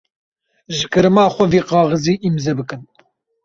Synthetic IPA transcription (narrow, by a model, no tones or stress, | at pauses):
ʒɨkɨɾɨmaːχʷɐviːqɑːʁəziːʔimzɐbɨkɨn